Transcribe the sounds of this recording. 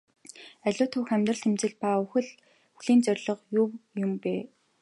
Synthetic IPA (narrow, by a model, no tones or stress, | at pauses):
æɮʲʊːt̪ʰʊwxæmʲt̪rə̆ɬt̪ʰemt͡sɘ̆ɮpauxɘ̆ɮ | ɵuɮ̥iːnt͡sœrʲɮɞ̆qjʊwjʊmpeː